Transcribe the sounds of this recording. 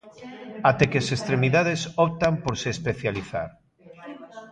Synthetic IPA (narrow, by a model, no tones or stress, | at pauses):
at̪ɛkeasest̪ɾemiðað̞esɔp̚t̪ampoɾseːspeθjaliθa̰ɾ